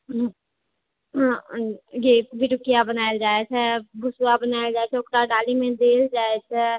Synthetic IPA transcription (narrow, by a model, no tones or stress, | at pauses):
ɡeːbʱɪʈʊkijabənaːjd͡ʒaːesʰɛbʱʊsuwabənaːjed͡ʒaːet͡ʃʰɛʊkʈaɖaːlimẽd̪eːld͡ʒaːet͡ʃʰɛ